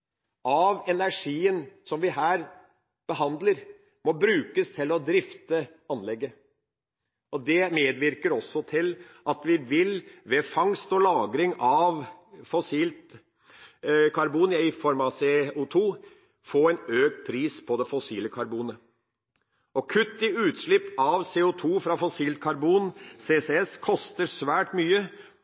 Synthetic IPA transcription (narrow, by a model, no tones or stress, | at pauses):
ʔɑʋɛnæʂiːənsɔmʋɪɦæːɾ | b̥əɦɑnd̪ləɾ | mɔbɾʉːkəst̪ʰɪlɔd̪ɾɪft̪ə | ɑnlɛɡːə | ɔd̪ɛmeːd̪ʋɪɾkəɾɔsːɔt̪ʰɪlʔɑt̪ʋɪʋɪlʋɛfɑŋst̪ɔlɑːɡɾɪŋɑʋfɔsiːlt̪ | kʰɑɾbuːnjəɪfɔɾmɑseʊt̪ʰuː | foːɛɪnøːk̚t̪̚pʰɾiːspʰɔd̪ɛfɔsiːləkʰɑɾbuːnə | ɔkʰʉt̪ːɪʉːt̪ʂɭɪpːɑʋseːʊt̪ʰuːfɾɑfɔsiːlt̪̚kʰɑɾbuːnseːseɛskʰɔst̪əɾsʋæːʈmyːə